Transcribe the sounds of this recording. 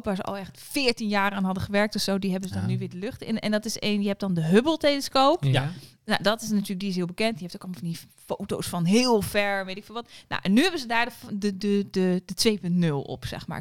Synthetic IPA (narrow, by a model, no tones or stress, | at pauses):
pʋaɹzəʔɔ̰lˠɛx | fɪːɹtinjaːɾaːnɦɑdəχəʋɛɹk̚tɔfsoːdiɦɛbənzədɔnːyʋɪːdəløχtɪ̰nɛ̰ndɔtɪseːnjəɦɛp̚dɔndəɦøbəlˠteləskoːp | na̰dɔtɪsnatyːlək̚diɪsɦɪəlˠbəkɛntiəɦeftokɔlmfɑnifoːtowsfɔnɦɪːlˠfɛɹʋetɪkfɪːlˠʋɔtna̰ʔɛnːyhɛbənzədaːɹddədədədətʋeːpøntnølˠɔ̰psɛ̰xma̰ːɹ